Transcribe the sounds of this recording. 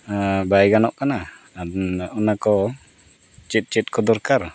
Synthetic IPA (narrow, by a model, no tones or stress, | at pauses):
bajɡanɔʔkana | ɔnakɔ | t͡ʃit̪̚ˀt͡ʃit̪̚ˀkɔd̪ɔɾkaɾ